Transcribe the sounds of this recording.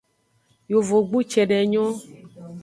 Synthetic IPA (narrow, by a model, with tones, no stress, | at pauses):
jo˨vo˨ɡ͡bu˦t͡ʃɛ˨ɖɛ˨ɲɔ̃˦